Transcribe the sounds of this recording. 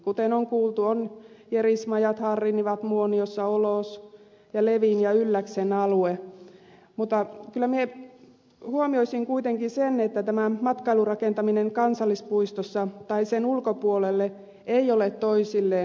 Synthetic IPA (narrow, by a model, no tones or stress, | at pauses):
kut̪enoŋkuːlt̪uonjerismɑjɑt̪hɑrːiniʋɑt̪muoniosːɑoloˑs | jɑleʋinjɑylːæksenɑlue | mut̪ːɑkylːˑæmie | huomioisiŋkuit̪eŋkisenet̪ːæt̪æmæmɑt̪kɑilurɑkent̪ɑmineŋkɑnsɑlːispuist̪osːɑt̪ɑisenulkopuolelːe | eiolet̪t̪oisilːeː